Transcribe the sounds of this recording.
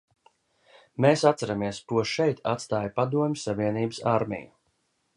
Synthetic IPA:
meːsat̪saɾamiɛskuɔʃɛjt̪a̰t̪st̪aːjpad̪uɔmʲisːavʲiɛniːbəsa̰ɾmʲɛ̰ju

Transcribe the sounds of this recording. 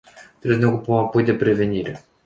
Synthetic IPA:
t̪ɾebneokupəmapo̞jd̪e̞pɾe̞ve̞niɾe

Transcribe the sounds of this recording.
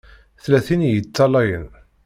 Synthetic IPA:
θlæθinjət͡sːɑlæjən

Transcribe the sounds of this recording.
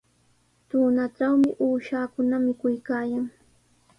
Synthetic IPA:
t̪uːnaʈ͡ʂawmɪʔuːʃaːkʊnamɪkʊjkaːjaŋ

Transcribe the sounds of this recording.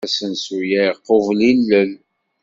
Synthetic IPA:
æsənsujæqːovlilːəl

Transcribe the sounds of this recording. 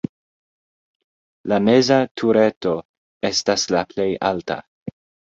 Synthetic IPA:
lame̞zatʰuɾe̞to̞ | e̞staslaple̞jʔalta̰

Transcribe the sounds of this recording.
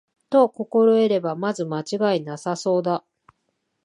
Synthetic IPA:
t̪o̞ko̞ko̞ɾo̞e̞ɾe̞bamazɨmat͡ɕiɡainasaso̞ːd̪a

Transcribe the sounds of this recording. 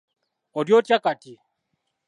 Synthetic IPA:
ɔdjotjakati

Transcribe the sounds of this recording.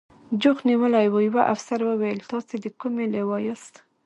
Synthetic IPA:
d͡ʒʊxniwəlajwojwaʔafsaɾwəwajəlt̪ɑsed̪əkumelewɑjast̪

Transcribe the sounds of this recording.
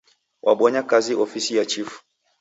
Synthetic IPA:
wʔaɓɔɲakaziʔɔfisijat͡ʃifu̥

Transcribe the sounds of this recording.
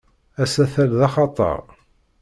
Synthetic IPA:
æsæθælðɑχɑt̪ˤə̰ɾˤ

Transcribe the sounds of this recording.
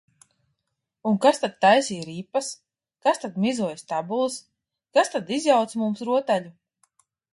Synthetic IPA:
uŋkast̪ad̪̚t̪ːajsiːɾiːpːas | kast̪ad̪mizuɔjst̪abulˠs | kast̪ad̪izjawt̪smumsɾuɔt̪aʎu

